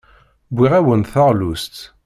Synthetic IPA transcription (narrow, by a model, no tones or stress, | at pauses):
bːiʁæwənθəʁlust̪